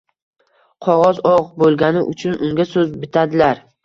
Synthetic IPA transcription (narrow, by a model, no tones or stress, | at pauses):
qʰɒʁɒzɒʁbolˠɡʲanɪʔʊ̰t͡ʃʰʊnʔʊŋɡʲasɵzbɪt̪ʰad̪ɪlaɾ